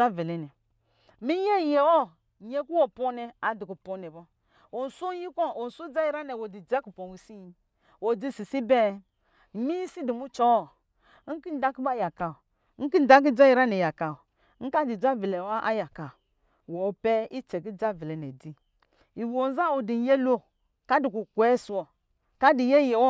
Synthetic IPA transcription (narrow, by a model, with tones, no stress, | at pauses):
a˦vi˨lɛ˨nɛ˨ | mi˦je˦˨je˨wo˦˨ | ɲe˦ku˦wo˨po˦nɛ˨a˨di˨ku˨po˦nɛ˨bɔ˦ | o˨n˨su˦ji˦ko˦˨o˨n̩˨su˦d͡za˦ji˦ɾa˦nɛ˨wo˨di˨d͡ʒe˦ku˨po˨wi˨si˦ji˨ | wo˨d͡zi˦˨si˨si˦bɛ˦˨ | mi˦i˦si˦di˨mu˦t͡ʃɔ˦˨˦ | ŋ̩˦ki˦n̩˦da˦ki˦ba˦˨ja˨ka˨˦ | ŋ̩˦ki˦n̩˦˨da˦k̬i˦d͡ʒa˦ji˨ɾa˦nɛ˨ja˨ka˨ | ŋ̩˦ka˦di˨d͡ʒa˦vi˨lɛ˨wa˦ʔa̰˦ja˨ka˨ | wɔ˨pɛ˦i˦t͡ʃɛ˨ɡi˦d͡ʒa˦˨vi˨lɛ˨nɛ˨di˦ | i˨wo˨n˦za˦o˨di˨je˦lo˦ | ka˦di˨ku˨kʷɛ˦su˨wɔ˨ | ka˦di˨je˦je˨wɔ˦